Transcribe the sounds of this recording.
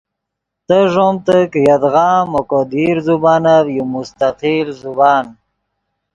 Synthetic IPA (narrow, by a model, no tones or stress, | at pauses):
t̪əʐomt̪əkjad̪ɣɑːmokod̪iɾzubɑːnavjumust̪aqilzubɑːn